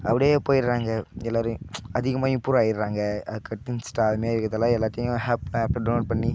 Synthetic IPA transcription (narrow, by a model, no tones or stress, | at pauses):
ɐʋɐɽepoːjɪɾɾaːŋɡɐɛlːaːɾɯ̃ɐðɪɣɐmaːʊpːuːɾaːjɪɾɾaːŋɡɐɐkɐt̪ːɪnsʈaːɾmeaːɪɾɯkːɐt̪ːɐlãːɛlːaːt̪ːɪjʊ̃ɦɛːpːlɛːpːɖɐnoːʈ̚pɐɳːi